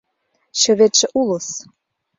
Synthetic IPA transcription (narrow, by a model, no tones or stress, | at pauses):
ɕø̆βet̪ʃĕʔulɤ̆s